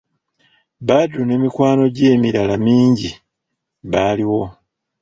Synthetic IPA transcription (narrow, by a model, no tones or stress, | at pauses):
badune̞ːmikwaːno̞ɟe̞ːmiɾalamiːɲɟi | βaːliwo̞